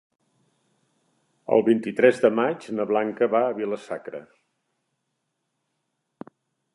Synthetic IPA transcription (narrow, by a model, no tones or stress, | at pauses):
ə̰lˠβint̪it̪ɾɛzd̪əmad͡ʒnəβlaŋkəβaəβiləsakɾə̰